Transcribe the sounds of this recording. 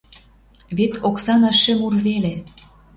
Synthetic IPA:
βet̪oksɑnɑʃemurβele

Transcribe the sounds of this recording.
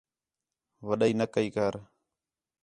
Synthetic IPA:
ʋəɗaiːnəkəiːkəɾ

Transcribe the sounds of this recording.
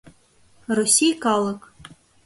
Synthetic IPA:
rusʲijkɑlˠɤ̆k

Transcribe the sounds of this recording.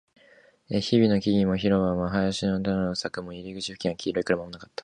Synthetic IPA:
eçibʲino̞kʲiɡʲimo̞çiɾo̞βãβaɦajaɕinot̪anosakɯ̟mo̞iɾʲiɡɯt͡ɕi̥ɸɯ̟kʲĩŋ̃akʲʰiːɾo̞ikɯɾamamonakḁt̪ːḁ

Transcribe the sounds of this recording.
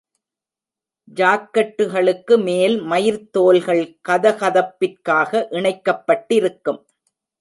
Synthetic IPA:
d͡ʒaːkːɐʈːɯɣɐɭɯkːɯmeːlmɐjɪɾt̪ːoːlɣɐɭkɐðɐɣɐðɐpːɪrkaːɣɐʔɪɳɐɪkːɐpːɐʈːɪɾɯkːɯm

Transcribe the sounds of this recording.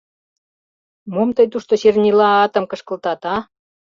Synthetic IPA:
momt̪əjt̪uʃt̪oɕernʲilɑɑt̪ə̆mkə̆ʃkə̆lt̪ɑt̪ɑ

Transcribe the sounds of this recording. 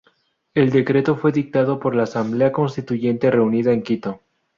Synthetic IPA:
e̞ld̪e̞kɾet̪o̞fwe̞ðik̚t̪aðo̞po̞ɾlaːsambleako̞nst̪it̪uʝe̞nt̪e̞re̞uniðaeŋkit̪o

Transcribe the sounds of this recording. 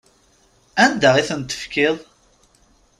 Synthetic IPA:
ænd̪æʁiθənt̪ə̥fkɪðˤ

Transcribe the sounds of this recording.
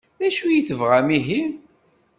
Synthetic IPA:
ðæʃujiθəvʁæmiɦim

